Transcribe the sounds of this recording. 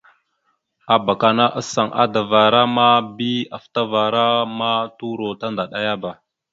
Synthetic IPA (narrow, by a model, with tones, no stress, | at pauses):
a˨ba˨ka˨na˦ʔa˦sa˨ŋʔa̰˦da˨va˨ɾa˦ma˦bi˦a˨fta˦va˨ɾa˦ma˦tu˦ɾo˨ta˦nda˨ɗa˦ja˦ba˨